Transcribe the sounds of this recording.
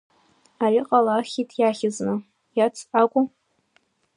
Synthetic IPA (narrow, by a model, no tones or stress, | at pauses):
aɾiqʼalaχʲitʰjaχʲɪznɨ | jat͡sʰakʷʼʊ